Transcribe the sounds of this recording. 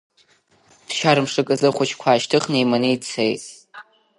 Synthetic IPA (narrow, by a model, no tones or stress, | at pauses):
bʰʃaɾɨmʂɨkʼɨzɨχʷʊt͡ʃʰkʷʰaːʃtʰɨχnejmanɨjt͡sʰejtʼ